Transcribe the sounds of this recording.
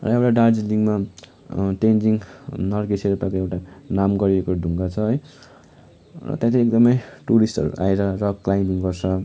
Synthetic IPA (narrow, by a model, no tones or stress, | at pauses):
rʌ̰ewʈaɖard͡zliŋɡma | ʈend͡ziŋnʌrɡeseɾupakoewʈanamɡʌɾiekodʱuŋɡat͡sʰʌɦʌj | rʌ̰t̪jãt̪ʰĩek̚d̪ʌmʌjʈuɾisʈʌ̰ɾṵʔa̰eɾʌrʌklajniŋɡʌrt͡sʰʌ